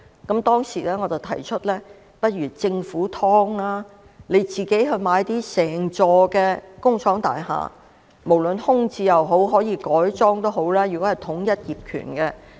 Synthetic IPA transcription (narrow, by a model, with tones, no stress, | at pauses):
kɐ˨˥mt̪ɔː˥ŋsiː˨˩lɛː˥ŋɔː˨˧t͡sɐ˨˩wt̪ʰɐ˨˩jt͡ʃʰɵ˥t̚lɛː˥ | pɐ˥t̚ɥy˨˩t͡sɪ˧ŋfuː˨˥t̪ʰɔː˥ŋlaː˥ | ne˨˧jt͡siː˨ke˨˥jɦɵ˧maː˨˧˥jt̪iː˥sɛː˨˩ŋt͡sɔː˧kɛː˧kʊ˥ŋsʰɔː˨˥ŋt̪a̰ː˨jha̰ː˨ | mo˨˩wlɵ˨nhʊ˥ŋt͡siː˧jɐ˨wɦo˨˥wɦɔː˨˥jiː˨˧kɔː˨˥jt͡sɔː˥ŋt̪o˥wɦo˨˥wlɛː˥jy˨˩kɔ˨˥hjt̪ʰʊ˨˥ŋjɐ˥t̚jiː˨p̚kʰy̰˨˩nkɛː˧